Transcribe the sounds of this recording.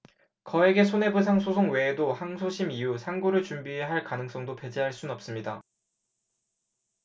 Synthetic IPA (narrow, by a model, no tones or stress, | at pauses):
kʌe̞ɡe̞sʰone̞bɯs̬ʰaŋsʰosʰoŋwe̞ːdohaŋsʰoɕʰimiusʰaŋɡuɾɯɭt͡ɕumbieɦaɭkanɯŋs͈ʌŋdope̞d͡ʑiɦaɭs͈unʌp̚s͈ɯmɲida